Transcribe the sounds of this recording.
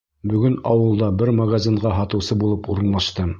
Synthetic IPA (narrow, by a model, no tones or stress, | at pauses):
bɵ̆ɡɵnɑwɤ̆lˠd̪ɑbɘɾmaɡazʲiɴʁɑɦɑt̪ɤ̆wsɤbulˠɤpuɾɤ̆nlˠɑʃt̪ɤ